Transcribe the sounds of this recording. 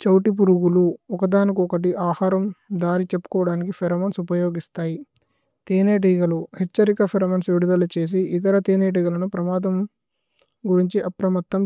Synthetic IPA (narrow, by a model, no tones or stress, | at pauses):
t͡ʃɐwʈip̬uɾuɡuluɔkɐd̪aːnikuɔkɐʈ̬iʔaːhaːɾɐmd̪aːɾit͡ʃepːu̥kɔːɐɽaːnikipʰeɾɐmɐnsupɐjoːɡist̪aːji | t̪eːneːʈ̬iɡɐluhet͡ʃːɐɾikɐpʰeɾɐmɐnsʋiɽud̪ɐlɐt͡ʃe̞ːs̬iʔit̪̬ɐɾɐt̪eːneːʈ̬iɡɐlɐnupɾɐmaːd̪ɐm | ɡuɾiɲt͡ʃiʔɐpɾɐmɐt̪ːɐm